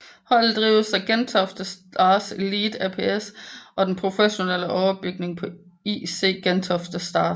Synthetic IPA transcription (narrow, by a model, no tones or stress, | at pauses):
hɒ̽l̰̩d̥ʁiːʊsæɡ̥ent͡sʰɒ̽fd̥əsɑ̈ːsliːd̥æpʰḛːesʔɒ̽d̥enpʰʁo̝feɕo̝neləʔɒʊɐb̥yɡ̥̚ne̝ŋpʰɒ̽ | ḭse̝̰ːɡ̥ent͡sʰɒfd̥əsd̥ɑ̈ː